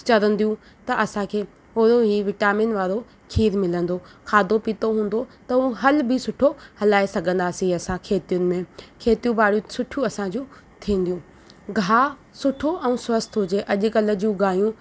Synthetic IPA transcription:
t͡ɕɐɾə̃nd̪ijũ | t̪ɐʔɐsãkʰeː | ʊɾoɦiːʋɪʈaːmɪnʋaːɾo | kʰiːɾmɪlə̃nd̪okʰaːd̪opit̪oɦũːn̆d̪ot̪ɐũɦɐlbɪsʊʈʰohɐlaːesɐɡʱə̃nd̪aːsiɐsãkʰeːt̪ijʊnɪ̆mẽkʰeːt̪ijũbaːɽ̤jũsʊʈʰijũɐsãd͡ʑũː | t̪ʰĩːn̆d̪ijũː | ɡʱaː | sʊʈʰoʔɛ̃swɐst̪ʰɦʊd͡ʑeʔɐʄʊkɐlə̆d͡ʑũːɡaːjũ

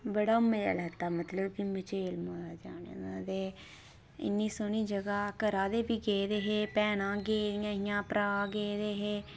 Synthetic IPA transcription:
bəɽaːmeːə̰lɛːt̪aːmət̪ləbkimət͡ʃeːlməɾaːd͡ʒaːnḛːnaːd̪eː | ɪ̰nːiːsoniːd͡ʒəɡaːkəɾaːd̪eːpiːɡeːd̪eːɦeːpɛːnãːɡeːɾɪjãːɦɪjãːpɾaːɡeːd̪eːɦeː

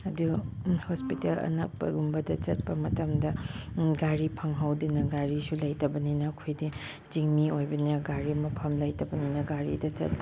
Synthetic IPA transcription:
ɐduhospitelɐ̰na̰k̚pɐ̰ɡumbɐdɐt͡ʃɐt̚pɐmɐtɐmdɐɡaɾipʰɐŋɦawdinɐɡaɾisulajtɐbɐninɐkʰujdi | d͡ʒiŋmiojbɐnɐɡaɾimɐpʰɐmlajtɐbɐninɐɡaɾḭdɐt͡ʃɐ̰t̚

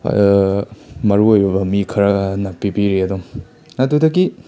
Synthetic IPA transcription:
mɐɾuojbɐbɐmikʰɐɾɐnapːibiɾeɐdoŋ | nɐdudɐɡi

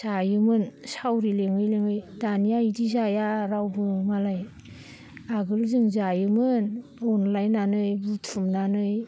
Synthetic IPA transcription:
z̥ajɯmɯnsawɾileŋɯjleŋɯjdanijaidizajaɾawbɯmalaj | aɡɯlzɯŋzajɯmɯnɔnlajnanɯjbutʰumnanɯj

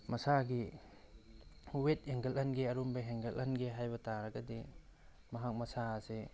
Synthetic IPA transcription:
mɐsaɡi | wet̚heŋɡɐlɐnɡiɐɾumbɐɦeŋɡɐlʔɐnɡiɦajbɐtaɾɐɡɐdi | mɐɦak̚mɐsase

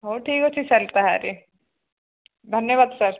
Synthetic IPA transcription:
ɦoːʈʰiːkot͡ʃʰisɐlt̪aɦɛa̰ɾe | d̪ʱɐnjəʋaːd̪sɐɾ

